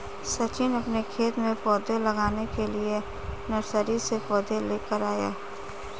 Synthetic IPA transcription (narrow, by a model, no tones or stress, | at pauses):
sɐt͡ʃɪnɐpnekʰeːt̪mẽpɔːd̪ʱelɐɡaːnekelie | nɐɾsəɾisepɔːd̪ʱeleːkəɾaːja̰ː